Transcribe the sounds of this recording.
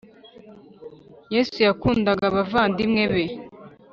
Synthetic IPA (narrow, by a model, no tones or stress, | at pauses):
jesujakuːndaɡaβavaːndimŋe̞βe